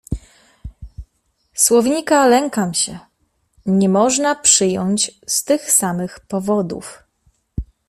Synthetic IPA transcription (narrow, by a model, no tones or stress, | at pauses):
swɔvʲɲikalɛŋkamɕɛ | ɲɛmɔʐnapʂɘjɔɲt͡ɕst̪ɘxsamɘxpɔvɔd̪ṵf